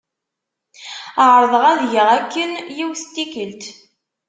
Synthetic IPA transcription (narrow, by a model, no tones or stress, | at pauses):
əʕɾˤðˤəʁæðjəʁækːənjiwθt̪ːikəlt̪